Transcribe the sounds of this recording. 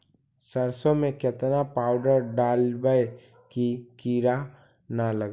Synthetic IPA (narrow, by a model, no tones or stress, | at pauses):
səɾsõmẽket̪napaːʊɖəɾɖaːlbəj | kikiːɾa | naləɡ